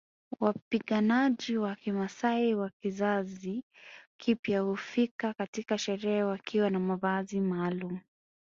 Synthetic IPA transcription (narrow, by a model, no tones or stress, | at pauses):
wapiɠanaʄiwakimasaiwakizazikʰipjahufikakatikaʃɛɾɛawakʰiwanamavazimaːlumu